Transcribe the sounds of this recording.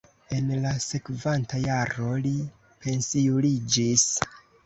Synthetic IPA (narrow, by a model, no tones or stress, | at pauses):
e̞nlase̞kvantajaɾo̞li | pe̞nsiulid͡ʒis